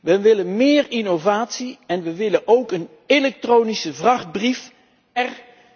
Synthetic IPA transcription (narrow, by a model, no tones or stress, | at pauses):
ʋəʋɪlənmɪːrinowvaːtsiɛnʋəʋɪlənʔowkən | elɛk̚troːnisəvrɑχd̚brif | ɛr